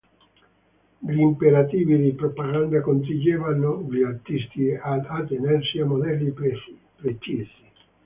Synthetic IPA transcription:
ʎimpeɾat̪iːvid̪ipɾopaɡand̪akont̪̬id͡ʒevanoʎiart̪ist̪iad̪at̪ːenɛrsiamːod̪ɛlːi | pɾet͡ʃisi

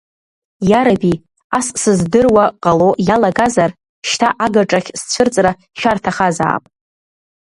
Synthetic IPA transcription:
jaɾabi | assɨzdɨrwaqʼalo̞ʔjalaɡazar | ʃtʰaʔaɡaʈ͡ʂʼaχʲst͡ɕʷʰʊrt͡sʼra | ʃᶣartʰaχaza̰ːpʼ

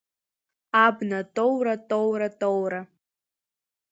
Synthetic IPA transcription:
abnatʼowratʼowratʼowra

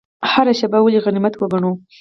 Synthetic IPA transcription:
haɾaʃabawaleɣanimat̪wəɡaɳo

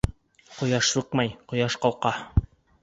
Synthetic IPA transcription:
qŏjɑʃsuq̚mɑjqŏjɑʃqɑlˠqɑ

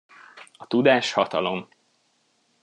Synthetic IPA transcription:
ɒt̪ud̪aːʃhɒt̪ɒ̰lo̞m

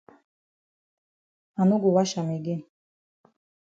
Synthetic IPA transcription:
anuɡuwaʃamiɡi

